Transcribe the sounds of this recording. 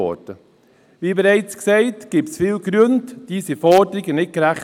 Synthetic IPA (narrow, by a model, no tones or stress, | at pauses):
ɔ̰d̥ə | ʋiːbɛɾɛɪt͡sksɛɪtɡ̥iːpsfiːlɡɾøndd̥iːsifɔdəɾɪɡənɪt̚ɡ̥əɾæχ